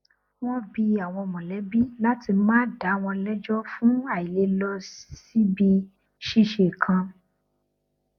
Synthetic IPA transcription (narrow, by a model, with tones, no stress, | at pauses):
wɔ̃˦bi˧a˨w̃ɔ̃˧mɔ̃˨lɛ˨˦bi˦la˦ti˧mãː˦da˨˦w̃ɔ̃˧lɛ˦d͡ʒɔ˦fũ˦a˦˨i˨le˨˦lɔ˧ssi˦bi˧ | ʃi˦ʃe˨kʰã˧